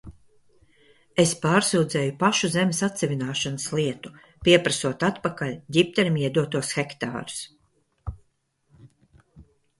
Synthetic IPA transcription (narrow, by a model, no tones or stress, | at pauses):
espaːɾsuwd̪zɛːjupaʃuzemesat̪sʲɛvinaːʃanɨsliɛt̪u̥ | piɛpɾasuɔt̪at̪pakalʲɟʲip̚t̪ɛɾmiɛd̪uɔt̪uɔsxɛkt̪a̰ːɾu̥s